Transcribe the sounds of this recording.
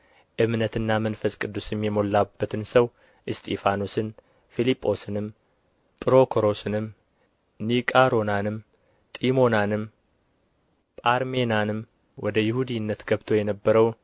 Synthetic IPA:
ʔɨmnət̪ɨnːamənfəskʼɨd̪ːusɨmjɛmo̞lːabːət̪ʰɨnsəw | ʔɨst̪ʰʼifanosɨn | filipʼːo̞sɨnɨm | t̪ʼɨɾo̞kʰoɾo̞sɨnɨm | nikʼaɾo̞nanɨm | t̪ʼimo̞nanɨm | pʼaɾme̞nanɨm | wɔd̪əjɪhud̪inːət̪ɡəβt̪ʰo̞jɛnəbːəɾəw

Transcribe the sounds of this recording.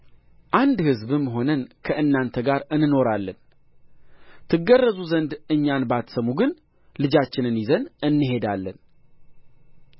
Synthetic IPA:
ʔand̪hɨzbɨmːɦo̞nənkʰəʔɨnːant̪ʰəɡaɾɨnɨno̞ɾalːən | t̪ʰɨɡːərːəzuzənd̪ɨɲːanbat̪səmuɡɨn | lɨd͡ʒat͡ʃːɪnɨnjizənɨnːɨɦe̞d̪alːən

